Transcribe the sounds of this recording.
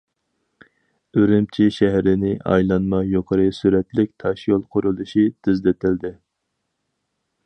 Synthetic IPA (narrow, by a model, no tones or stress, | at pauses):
øɾɪmt͡ʃʰiʃɛɦɾɪnɪʔɑ̰jlˠɑnmɑjoqʰəɾɨsyɾɛt̪lɪk̚ʲt̪ʰɑʃjolˠqʰʊɾulˠuʃid̪̥yzd̪ɪt̪ʰɪld̪ɪ